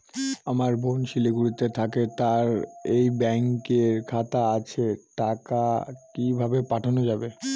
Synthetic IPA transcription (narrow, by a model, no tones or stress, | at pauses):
amaɾbʱonʃileɡuɽit̪et̪ʰaket̪aɾejbɛŋkeɾkʰat̪aat͡ɕʰeʈakakibʱabepaʈʰanod͡ʑabe